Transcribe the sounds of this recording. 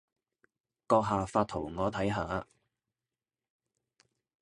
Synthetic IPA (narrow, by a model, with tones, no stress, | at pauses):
kɔː˧k̚ɦaː˨˧faː˧t̪ʰo˨˩wŋɔː˨˧t̪ʰɐ˨˥jɦa̰ː˨˧